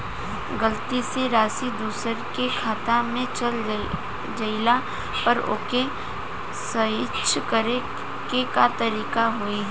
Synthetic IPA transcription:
ɡəlt̪iseɾaːsid̪uːsəɾkekʰaːt̪amẽt͡ʃɐl | d͡ʒɐɪla | pɐɾo̰ːke | sɐɦɪtʃʰkəɾe | kekat̪ɐɾiːkaɦuiɦ

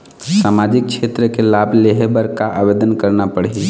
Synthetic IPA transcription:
saːmaːd͡ʒɪk̚kʃʰeːt̪ɾəkelaːbʱleɦebəɾkaʔaʋeːd̪ənkəɾnapəɽe

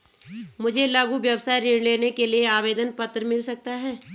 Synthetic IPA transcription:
mʊd͡ʒʱelaːɡuʋjɐwsaːiɾɪɽleːnekelieaːʋeːd̪ənpɐt̪ːɾəmɪlsɐk̚t̪aɦɛː

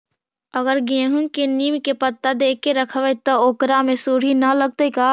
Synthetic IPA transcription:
əɡəɾɡẽːɦʊ̃ŋkeniːmkepət̪ːad̪eːkːeɾəkʰʋɛt̪ooːkɾamẽsuːɽ̤inɐləɡ̚t̪ekaː

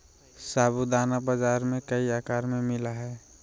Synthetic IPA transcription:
saːbud̪aːnabəd͡ʒaːɾmẽkəiakaːɾmẽmɪlaɦɛː

